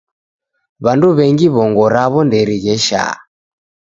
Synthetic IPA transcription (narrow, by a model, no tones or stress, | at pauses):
βanduβɛŋɡiβɔŋɡɔɾaβɔndɛɾiɣɛʃa̰